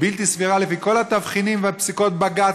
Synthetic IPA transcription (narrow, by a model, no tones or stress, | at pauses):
bilt̪isviʁalefiko̞lhat̪avχinimveapsiko̞t̪̚baɡat